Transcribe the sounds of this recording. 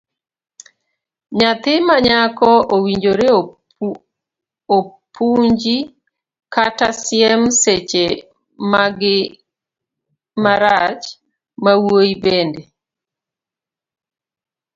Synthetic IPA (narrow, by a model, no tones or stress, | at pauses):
ɲat̪ɪmaɲakɔʔowiɲd͡ʒoɾe | opʰuɲd͡ʒi | katasjɛmset͡ʃe | maɡɪ | maɾat͡ʃ | mawoibende